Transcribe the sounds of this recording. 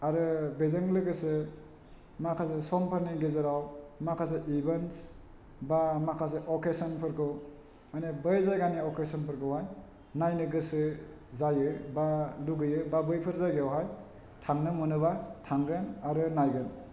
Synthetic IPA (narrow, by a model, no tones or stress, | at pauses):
aɾɯbezɐŋlɯɡɯsɯ | makʰasɯsɔmpʰaɾniɡezɯɾawmakʰas̬eʔibens | bamakʰas̬eʔɔkesɔnpʰɯɾkʰɯw | majnɯbəjzajɡaniɔkesɔnpʰɯɾkʰɯwɦaj | najnɯɡɯsɯ | zajɯbaluɡɯjɯbabɯjpʰɯɾzajɡeawɦaj | tʰaŋnɯmɯnɯβatʰaŋɡɯnaɾɯnajɡɯn